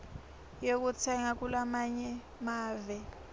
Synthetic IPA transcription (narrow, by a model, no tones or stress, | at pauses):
jok̬utʰɛŋak̬ulamaɲɛ | maːvɛ